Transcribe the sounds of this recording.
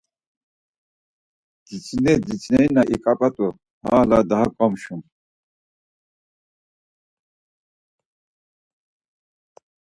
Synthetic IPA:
d̪̥it͡sʰʼnɛd̪it͡sʼnɛinaʔḭkʼapʼat̪ʼu | ha̰ːlad̪aɦakʼɔmʃum

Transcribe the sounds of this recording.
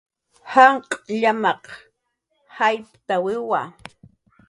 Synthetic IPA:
haɴqʼʎamɑq | hajpt̪awɪwa

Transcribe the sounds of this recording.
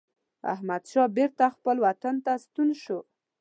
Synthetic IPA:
a̰hmad̪ʃɑbeɾt̪axpəlwat̪ant̪ast̪unʃo

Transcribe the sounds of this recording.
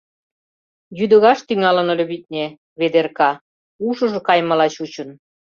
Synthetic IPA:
jyd̪ə̆ɣɑʃt̪yŋɑlə̆nŏlʲø̆βit̪̚nʲe | βed̪erkɑ | uʃɤ̆ʒɤ̆kɑjmɑlɑt͡ɕut͡ɕə̆n

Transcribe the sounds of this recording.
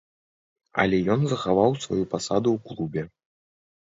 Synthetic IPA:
ɐ̰lʲɛjɔnzɐxavawsvajupasad̪uwklˠubʲɛ

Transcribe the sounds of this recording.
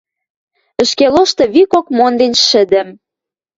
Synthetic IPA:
ə̆ʃkeloʃt̪ɤ̆βikokmond̪enʃə̆d̪ə̆m

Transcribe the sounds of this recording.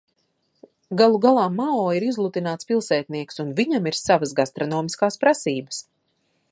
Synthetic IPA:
ɡalˠuɡalˠaːmːaɔːiɾizlˠut̪inaːt̪spilˠsɛːt̪̚niɛksunviɲamiɾsavas̬ɡast̪ɾɔnɔːmiskaːspɾasiːbəs

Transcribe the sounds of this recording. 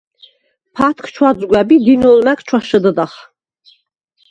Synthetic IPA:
pʰat̪ʰkʰt͡ʃʰwazʼɡʷwɛbid̪inulmɛkʰt͡ʃʰwaʃəd̪əd̪aχ

